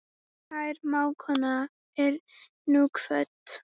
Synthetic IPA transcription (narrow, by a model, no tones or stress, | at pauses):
hajɾmawkʰɔna | ɛɾ | nuːkʰfœt̪